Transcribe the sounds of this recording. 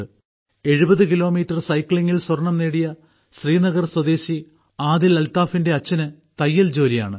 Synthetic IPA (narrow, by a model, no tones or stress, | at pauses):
e̞ɻubɐðɨkilo̞ːmiːtːɐrsɐjkɭiŋːilswɐrɳɐmneːɽijɐ | ɕriːnɐɣɐrswɐd̪e̞ːɕi | aːðilɐlt̪aːfinde̞ɐt͡ɕːɐnɨt̪ɐjːɐld͡ʑo̞ːlija̰ːɳɨ